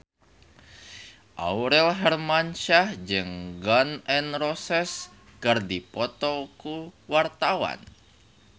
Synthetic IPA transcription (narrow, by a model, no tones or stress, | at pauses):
ʔa̰uɾɛlɦɛrmanʃahd͡ʒɨŋɡɔnɛnrɔsɛs | kərdipɔt̪ɔkuwart̪awa̰n